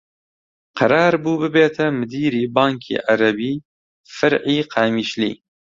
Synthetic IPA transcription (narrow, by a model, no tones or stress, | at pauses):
qʰɐɾɑːɾbuːbɨbeːt̪ʰɐmɨd̪iːɾiːbɑːŋkʰḭːʔaɾɐbiː | fɐɾʕiːqʰaːmiːʃlḭː